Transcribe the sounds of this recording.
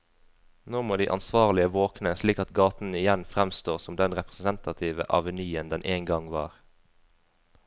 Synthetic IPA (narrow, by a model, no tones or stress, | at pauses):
noːmoːd̪ḭːʔɑ̰nsʋɑːʁlɪəʋoːknəsliːkɑt̪ɡɑːt̪n̩ɪjɛnfʁɛmst̪oːʁsɔmd̪ɛnʁɛpʁssɛnt̪ɑt̪ʰiːʋə̰ʔɑʋənyːənd̪ɛnʔeːŋɡɑŋʋɑ̰ːʁ